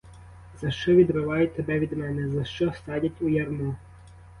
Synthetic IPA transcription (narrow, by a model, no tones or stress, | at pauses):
z̥ɐʃt͡ʃɔʋʲid̪ɾɪʋɑjʊt̪ːebɛʋʲid̪mɛnɛzɐʃt͡ʃɔst̪ɑdʲɐtʲujɐrnu